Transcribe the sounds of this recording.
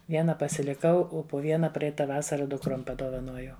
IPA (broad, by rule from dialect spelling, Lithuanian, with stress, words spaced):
ˈʋʲiɛnɐ pɐsʲɪlʲɪˈkɐʊ ˈoː poː ˈʋʲiɛnɐ ˈpʲrʲɛɪtɐ ˈʋɑːsɐrɐ dʊkˈroːm pɐdoːʋɐˈnoːjɛʊ